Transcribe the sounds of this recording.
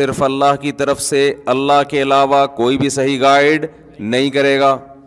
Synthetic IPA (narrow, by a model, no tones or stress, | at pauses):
ɪɾfɐlːaːɦkit̪ɐɾəfseɐlːaːɦkeɐlaːʋakoːibʱisɐɦiɡaːɪɖ | nɐɦĩkɐɾeːɡaː